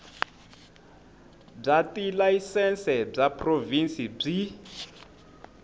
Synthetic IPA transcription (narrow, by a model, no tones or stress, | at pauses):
b͡ʐatilaisɛnsɛb͡ʐapʰrovinsib͡ʐi